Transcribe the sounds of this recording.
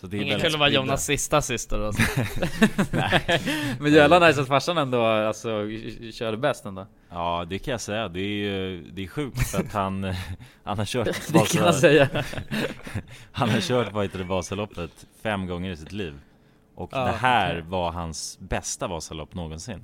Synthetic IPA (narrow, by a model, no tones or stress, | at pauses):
sat̪̚d̪ɛɪŋəkɵlːəvɑːjuːnasːɪst̪asɪst̪əɾ | ɛ | mɛnjœlanaɾs̬at̪faʂanɛnd̪oːalsɔɕœːɖəbɛst̪ɛnd̪oː | ɑːd̪ɛkʰanjasɛjːad̪ɛːɾjɵd̪ɛːɾɧʉ̟ːk̚t̪fɾat̪hanhanhaɾɕœːʈd̪kaansɛjːa | hanhaɾɕœːʈvajt̪ad̪bɑːsalɔpːət̪fɛmːɡɔŋːəɾɪsɪt̪liːv | ʔɔkd̪ɛɦæːɾvaɦansbɛst̪avɑːsalɔpːnoːɡɔnsɪnː